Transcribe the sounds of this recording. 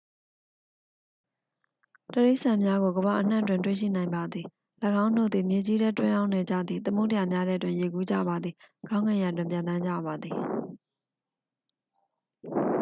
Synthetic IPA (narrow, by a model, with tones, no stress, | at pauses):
təɹe˦ɪʔsã˨mja˦ɡo˨ɡəβa̰˨ʔən̥ã̰˦˨twɪ̃˨nt̬wḛ˦˨ʃḭ˦˨nã˨ɪ̃mba˨d̪ði˨ | lə˨ɡã˦ʊ̃ndo̰˦˨d̪ði˨mje˨d͡ʑi˦ɾɛ˦twɪ̃˦jã˦ʊ̃ne˨d͡ʑä̰˦˨d̪ði˨t̪ə˦mo̰˦təja˨mja˦ɾɛ˦˨twɪ̃˦˨je˨ɡu˦d͡ʑa̰˦˨ba˨d̪ði˨ɡ̥ã˦ŋã˨ja˨twɪ̃˨mpjã˨nt̪ã˦ɲd͡ʑä̰˦˨ba˨d̪ði˨